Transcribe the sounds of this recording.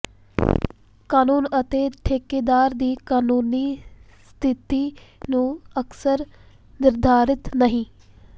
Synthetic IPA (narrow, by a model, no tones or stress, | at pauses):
kaːnuːnət̪eːʈʰeːkeːd̪aːɾd̪iːkaːnuːniː | st̪ʰɪt̪iːnũːəksəɾ | nɪɾd̪ʱaːɾɪt̪nəɦĩː